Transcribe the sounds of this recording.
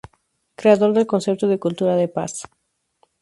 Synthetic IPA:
kɾe̞aðo̞ɾðe̞lko̞nse̞p̚t̪oðekult̪uɾaðepa̰s

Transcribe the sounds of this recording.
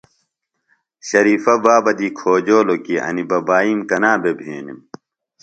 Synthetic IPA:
ɕɐɾiːfɐbaːbɐd̪ikʰoːd͡ʑoːlokiʔɐ̰nibɐbaːiːmkɐnaːbebʱeːnḭm

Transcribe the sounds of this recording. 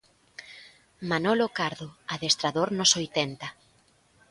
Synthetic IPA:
manolokaɾðoaðest̪ɾaðoɾnʊsojt̪ent̪ɐ

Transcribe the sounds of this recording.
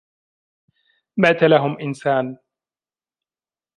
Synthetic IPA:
maːt̪alaɦʊmʔɪnsaːn

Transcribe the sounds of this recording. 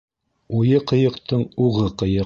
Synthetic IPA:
ujɤqɤ̆jɤ̆qt̪ɤɴuʁɤqɤ̆jɤ

